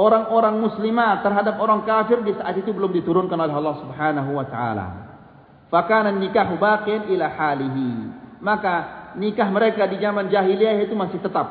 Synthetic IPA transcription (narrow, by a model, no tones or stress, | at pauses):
ʔoɾaŋoɾaŋmuslimat̪ːərɦadap̚oɾaŋkafɪrdisaʔat̪it̪ubəlʊmdit̪uɾʊnkanolɛɦɑlːɑhsubħanaɦuwat̪aʔa̰la̰ | fakananːikaɦubaːqijanʔilaħaliɦimakanikaɦməɾekadid͡ʒamand͡ʒaɦiliajait̪umasɪht̪ət̪ap̚